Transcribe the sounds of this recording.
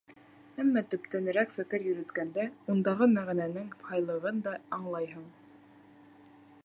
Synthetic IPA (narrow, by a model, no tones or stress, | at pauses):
æmːæt̪ɵ̆pt̪ænɘ̆ɾækfɘ̆kɘɾjɵ̆ɾɵ̆t̪kænd̪æund̪ɑʁɤmæʁænænɘŋhɑjlˠɤ̆ʁɤnd̪ɑɑɴlˠɑjɦɤɴ